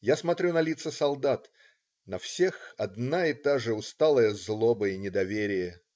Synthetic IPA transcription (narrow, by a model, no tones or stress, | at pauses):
jasmɐt̪ɾʲunɐlʲit̪səsɐlˠd̪at̪ | nɐfsʲe̞xɐd̪naɪt̪aʐɨʊst̪alˠəjəzlˠobəɪnʲɪd̪ɐvʲeɾʲɪjə